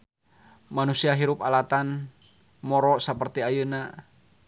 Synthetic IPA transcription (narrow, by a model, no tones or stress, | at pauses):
manusiaɦiɾʊpalat̪an | mɔɾɔʔsəpərt̪iajəna